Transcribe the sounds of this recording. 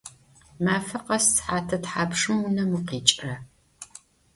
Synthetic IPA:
maːfɐqɐssħaːtʰɐtħaːpʂɨmunɐmuqiːt͡ʃʼɐ

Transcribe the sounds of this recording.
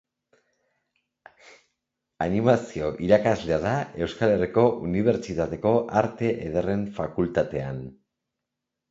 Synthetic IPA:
animasio̞ʔiɾakazle̞aðae̞wskale̞riko̞ʔuniβ̞e̞ɾt͡ʃit̪at̪e̞ko̞ʔaɾt̪e̞ʔeð̞ere̞ɱfakult̪at̪e̞an

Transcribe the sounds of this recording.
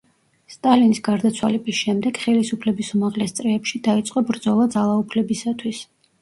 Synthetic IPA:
st̪ʼalinisɡaɾd̪at̪sʰwalɛbisʃɛmd̪ɛɡ̥χɛlisupʰlɛbisumaʁlɛst̪sʼɾɛːpʃid̪ait̪sʼqʼɔbɾd̪zɔlˠad̪zalˠaupʰlɛbisat̪ʰwis

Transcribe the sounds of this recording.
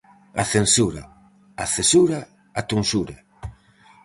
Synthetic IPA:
a̰θensuɾa̰ | aθesuɾa | at̪unsuɾa

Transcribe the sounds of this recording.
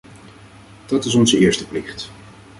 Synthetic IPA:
d̥ɑtɪsɔnzəɪːɹstəplɪχt

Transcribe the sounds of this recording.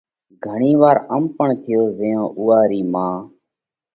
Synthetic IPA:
ɡʱəɳiːʋaːɾəmpəɳt̪ʰɪjoːzẽjõːʔuːaːɾiːmãː

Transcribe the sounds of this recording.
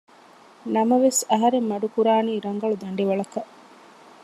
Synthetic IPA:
nɐmɐʋesɐɦɐɾemːɐɖukuɾaːniːɾɐŋɡɐɭud̪ɐɳɖiʋɐɭɐkɐʔ

